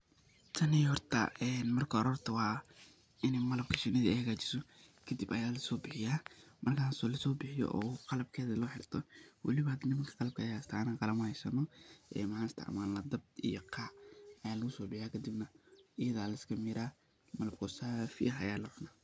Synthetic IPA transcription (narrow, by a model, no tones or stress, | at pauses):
t̪ʰɐnɪjhɔrt̪ʰɐ̰ʔɛːnmɐrkʰɐɔɾɔːrt̪ʰɐwɑː | ʔɪnɛmɐlɐb̚kʰɐʃɪnɐðiɛhɐɣaːt͡ʃɪ̥sɔkʰɐd̪ibɐjaːlɐsɔːbɪħɪjaːmʔɐrkʰaːsɔːlɐsɔːbɪħɪjɔ̰ʔɔ̰ːqɑlɐb̚kʰɛːðɐlɔːħɪrt̪ʰɔwɑ̰lɪβɐhɐd̪nɪmɐŋkʰɐ̥qɑlɐb̚kʰɐjast̪ʰaʕnaːqɑlɐmɐhɛjsɐnɔʔɛ̰ːmɐħaːnɪst̪ʰɪ̰ʕmaːnɐd̪ɐb̚d̪ḭjɔqʰɑːʔɐjaːlɐɣʊsɔːbɪħɪjaːkʰɐd̪ɪbnɐʔɪjɐðaːlɐɪskʰɐmɪɾaː | mɐlɐb̚kʰɔsaːfɪ̰ɐɦɐjaːlɐʕʊnaː